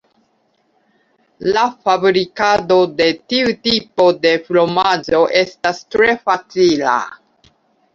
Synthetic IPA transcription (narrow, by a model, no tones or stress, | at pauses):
lafabɾikado̞de̞tiutipode̞flo̞mad͡ʒo̞ʔe̞stastɾe̞fat͡sila̰